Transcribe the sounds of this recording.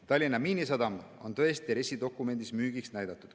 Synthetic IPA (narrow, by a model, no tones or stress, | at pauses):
t̪ɑlʲːinɑmiːnisɑd̪ɑmo̞̰nt̪ɤ̞est̪iɾesid̪o̞kːˑume̞nd̪ismyːɡ̥iksnæjd̪ɑt̪ːˑud̪̥